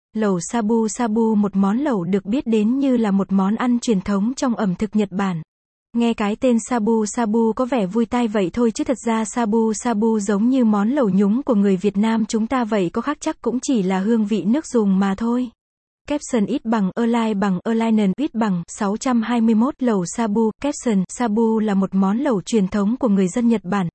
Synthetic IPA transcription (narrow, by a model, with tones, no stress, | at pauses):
lə˨˩wsaː˧ɓu˧saː˧ɓu˧mo˨˩t̚mɔ˨˦nlə˨˩wɗɨ˨˩ək̚ɓi˦˥ət̚ɗe˨˦nɲɨ˧laː˨˩mo˨˩t̚mɔ˨˦nʔa˧nt͡ɕwi˨˩ənt̪ʰə˨˦wŋ͡mt͡ɕɔ˧wŋ͡mʔə˧˩mt̪ʰɨ˨˩k̚ɲə˨˩t̚ɓaː˧˩n | ŋɛ˧kaː˨˦jt̪e˧nsaː˧ɓu˧saː˧ɓu˧kɔ˨˦vɛ˧˩vu˧jt̪a˧jvə̰˧˨jt̪ʰo˧jt͡ɕɨ˨˦t̪ʰə˨˩t̚zaː˧saː˧ɓu˧saː˧ɓu˧zə˨˦wŋ͡mɲɨ˧mɔ˨˦nlə˨˩wɲʊ˨˦ŋ͡mku˧˩əŋɨ˨˩əjvi˨˩ət̚naː˧mt͡ɕʊ˨˦ŋ͡mt̪aː˧və̰˧˨jkɔ˨˦xaː˦˥k̚t͡ɕa˦˥k̚kʊ̰˧˥ŋ͡mt͡ɕi˧˩laː˨˩ɦɨ˧əŋvḭ˧˨nɨ˦˥ək̚zʊ˨˩ŋ͡mmaː˨˩t̪ʰo˧j | kɛ˦˥p̚səː˨˩nʔi˦˥t̚ɓa˨˩ŋʔəː˧laː˧jɓa˨˩ŋʔəː˧laː˧jnə˨˩nʔwi˦˥t̚ɓa˨˩ŋsa˨˦wt͡ɕa˧mhaː˧jmɨ˧əjmo˦˥t̚lə˨˩wsaː˧ɓu˧kɛ˦˥p̚sə˨˩nsaː˧ɓu˧laː˨˩mo˨˩t̚mɔ˨˦nlə˨˩wt͡ɕwi˨˩ənt̪ʰə˨˦wŋ͡mku˧˩əŋɨ˨˩əjzə˧nɲə˨˩t̚ɓaː˧˩n